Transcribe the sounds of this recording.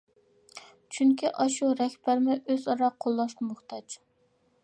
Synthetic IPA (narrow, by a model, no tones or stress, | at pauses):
t͡ʃʰyŋkʲiʔɑʃuɾɛxʲpæɾmɪʔøzɑɾɑqʰːolˠːɑʃq̪ɨmʊχt̪ʰɑt͡ʃ